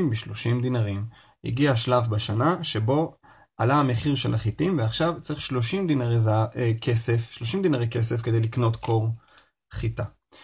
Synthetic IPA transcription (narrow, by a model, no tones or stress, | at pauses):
mbiʃlo̞ʃimd̪inaʁim | jḭɡiaʃlafbaʃanaʃe̞bo̞ | ʔalaameχiʁʃelaχitimveaχʃavt͡saʁiχʃlo̞ʃimd̪inaʁezaekʰe̞se̞fʃlo̞ʃimd̪inaʁeke̞se̞fke̞d̪ejlikno̞t̪kʰo̞ʁ | χit̪a